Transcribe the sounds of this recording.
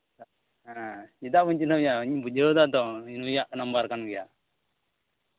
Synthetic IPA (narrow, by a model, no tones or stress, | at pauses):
ait̪aʔbuɲt͡ʃinajaɲbud͡ʒəd̪at̪ɔinujaʔnambaɾkanɡɛja̰